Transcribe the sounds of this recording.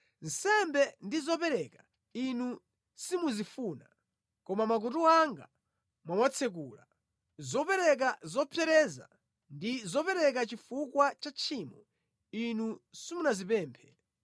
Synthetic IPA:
n̩sɛmbɛndizɔpɛɾɛka | inu | simuzifuːna̰ | kɔmamak̬utuaŋɡa̰ | mwamwat͡sʰɛk̬uːla̰ | zɔpɛɾɛk̬azɔpʰjɛɾɛza̰ | ndizɔpɛɾɛk̬at͡ʃifukwat͡ʃat͡ʃʰiːmɔ | inusimunazipɛːmpʰɛ

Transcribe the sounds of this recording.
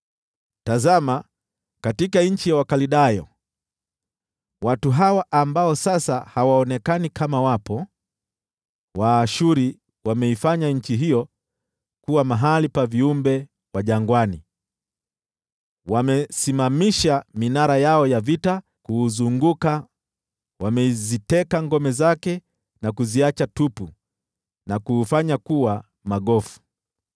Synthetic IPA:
tazama | katikaɲ̩t͡ʃijawakaliɗajɔ̰ | watuɦawaʔambaɔsasahawaɔnɛkanikamawapɔ | waːʃuɾi | wamɛifaɲaɲ̩t͡ʃiɦijɔ | kuwamaɦalipaviumbɛ | waʄaŋɡwani | wamɛsimamiʃaminaɾajaɔjavita | kuːzuŋɡuka | wamɛzitɛkaŋɡɔmɛzakɛ | nakuziat͡ʃatupu | nakuːfaɲakuwa | maɠɔfu̥

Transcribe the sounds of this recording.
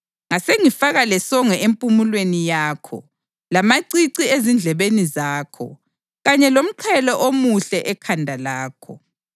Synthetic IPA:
ŋaseŋifaɣalɛsɔŋɛempʼumulwenijaːkʰɔ̰ | lamaǀiǀiezind͡ɮʱɛβenizaːkʰɔ̰ | ɣaɲɛlom̩ǃʰɛlɔʔomuɬɛʔɛkʰandʱalaːkʰɔ

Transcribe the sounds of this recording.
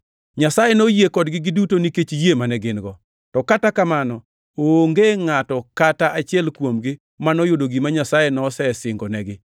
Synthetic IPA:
ɲasajenojekɔdɡɪɡɪdutoniket͡ʃijemanɛɡɪnɡɔ | tɔkatakamanɔ | oŋɡeŋatɔkataat͡ʃɪɛlkwomɡɪ | manɔjodoɡimaɲasajenɔsɛsɪŋɡɔnɛɡɪ

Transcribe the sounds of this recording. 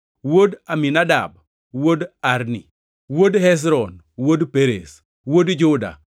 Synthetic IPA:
wodaminada̰b̚ | wodaɾnḭ | wodhɛs̬ɾɔn | wodpeɾes | wodd͡ʒʊda̰

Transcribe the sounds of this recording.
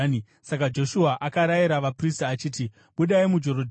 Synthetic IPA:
i | sakad͡ʒo̞ʃuaʔakaɾajiɾaʋapristaːt͡ʃiːti | ɓuɗaimud͡ʒo̞ɾod

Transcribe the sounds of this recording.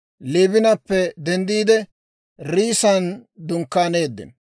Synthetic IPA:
leːbɪnɐpːɛd̪ɛnd̪iːd̪ɛ | ɾiːsɐnd̪ʊŋkːaːne̞ːd̪ːɪ̰n

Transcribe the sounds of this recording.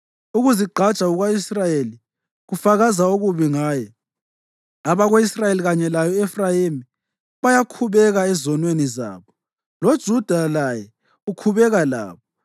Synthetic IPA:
uɣuziɡ͡ǃʱḁt͡ʃʼauɣwaisrajeli | ɣufaɣazauɣuβiŋaːjɛ | aβaɣoisrajeliɣaɲɛlajɔɛfrajimi | βajakʰuβɛɣaɛzɔnweniza̰ːβɔ | lod̥ʒ̥ʱud̥ʱalajɛ | ukʰuβɛɣala̰ːβɔ

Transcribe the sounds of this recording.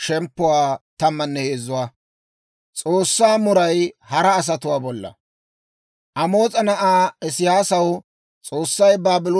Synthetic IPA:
ʃɛmpːʊwaːt̪ɐmːɐnːɛhe̞ːzʊwaː | t͡sʼoːsːaːmʊɾɐjhɐɾɐːs̬ɐt̪ʊwaːbɔlːɐ̰ | ʔɐmo̞ːt͡sʼɐnɐʔaːɪsɪjaːsɐw | t͡sʼo̞ːsːɐjbaːbɪlo

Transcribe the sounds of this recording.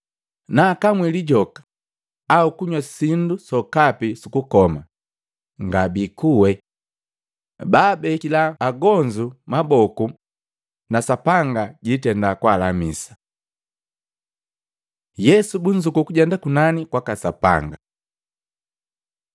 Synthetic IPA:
naːkamwiliɟɔkḁ | aukuɲwasindusɔkapisukukɔma̰ | ŋɡabikuwɛ | baːbɛkilaːɡɔɲd͡ʒumabɔku | nasapaŋɡaɟitɛndakwaːlamisḁ | jɛsubuɲd͡ʒukukuɟɛndakunanikwakasapa̰ŋɡa

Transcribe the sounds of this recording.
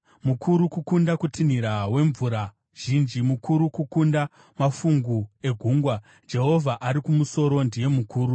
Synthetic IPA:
mukʰuɾukukundakutin̤iɾawe̞ɱvuɾa | ʒ̥ind͡ʒimukuɾukukunda | mafuŋɡue̞ɡʱuŋɡwa | d͡ʒe̞ɦo̞vʱaʔaɾikumuso̞ɾo̞ndije̞mukuːɾu

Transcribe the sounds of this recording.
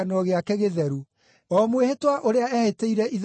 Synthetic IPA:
anɔɣeakɛɣeðɛɾu | ɔːmwehetwaʔoɾeaɛheteiɾɛið

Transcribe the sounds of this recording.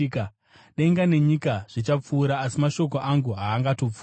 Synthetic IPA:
ka | ɗe̞ŋɡane̞ɲikaʐ̥it͡ʃap͡fuːɾaːsimaʃo̞k̬o̞ʔaŋɡuɦaːŋɡato̞p͡fu

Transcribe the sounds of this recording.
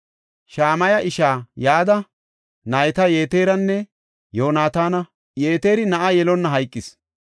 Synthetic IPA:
ʃaːmɐjɐʔɪʃaːjaːd̪ɐ | nɐjt̪ɐje̞ːt̪eːɾɐnːɛ | joːnaːt̪aːnɐ | jeːt̪eːɾɪnɐʔajɛlɔnːɐɦɐjkʼːɪs

